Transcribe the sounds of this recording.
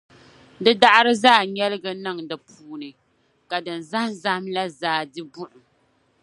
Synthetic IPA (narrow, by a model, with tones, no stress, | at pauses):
dɨ˦da˦ʔa˦ɾɨ˦zaː˦˨ɲɛ˦lɨ˦ɡɨ˦nɨ˦˨ŋdɨ˨pʰuː˦nɨ˨ | ka˨dɨ˨nza˦hza˦hmla˦zaː˦dɨ˦bʊ˦ʔʊ˨